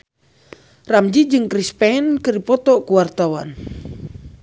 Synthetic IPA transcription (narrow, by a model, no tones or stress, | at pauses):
ramd͡ʒid͡ʒɨŋkɾispɛnkɨɾipɔt̪ɔkuwart̪awan